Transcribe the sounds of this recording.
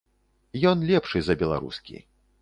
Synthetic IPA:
jɔnlʲɛpʂɨzɐbʲɛlˠa̰ɾṵskʲḭ

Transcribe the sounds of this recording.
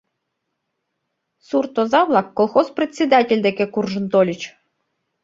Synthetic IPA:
surt̪ozɑβlˠɑkːolˠxosprʲet̪ʲsʲed̪atʲelʲd̪ekekurʒə̆nt̪olʲit͡ɕ

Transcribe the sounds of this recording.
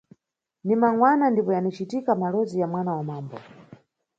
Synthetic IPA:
nimaŋwanandipɔjanit͡ʃitikamalɔzijamwanawamaːmbɔ̰

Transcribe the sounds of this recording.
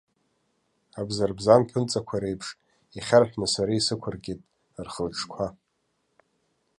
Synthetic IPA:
abzarbzanpʰɨnt͡sʼakʷʰaɾejpʰʂ | iχʲarħʷᶣnasaɾaisɨkʷʰarɡʲʼetʼ | rχəlʈ͡ʂʰkʷʰa

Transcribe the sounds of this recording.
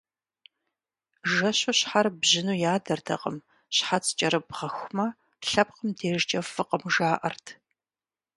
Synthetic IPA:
ʒɐɕʊɕħarbʑɪnuːjaːdɐrtʰɐ̰qʼəm | ɕħat͡sʰt͡ʃʼɐɾɨbʁɐxʷmɐ | ɬɐp̚qəmdʰeːʒt͡ʃʼɐfɨqəmʒaːʔɐ̰rtʰ

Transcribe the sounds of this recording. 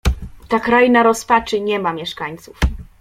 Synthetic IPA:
t̪akɾajinaɾɔspat͡ʂɘɲɛmamʲjɛʂkaɲt̪suf

